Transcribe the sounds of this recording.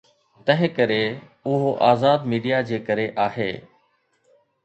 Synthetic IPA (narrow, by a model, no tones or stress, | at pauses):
t̪ɐɦɪ̃kəɾe | ʊɦoʔaːzaːd̪miːɖijad͡ʑeːkəɾeʔaːɦḛː